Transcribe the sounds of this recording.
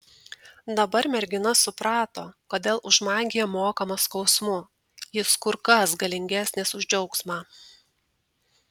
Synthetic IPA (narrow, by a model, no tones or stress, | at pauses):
d̪ɐbɐɾmʲɛɾʲɡʲɪnɐsʊpɾɑːt̪oːkoːd̪ʲeːlˠʔʊʒmɑːɡʲijɛmoːkɐmɐskɒʊsmʊ | jɪskʊɾkɐsɡɐlʲɪŋʲɡʲæːˑsʲnʲeːsʊʒʲd͡ʒʲɛʊksmɑː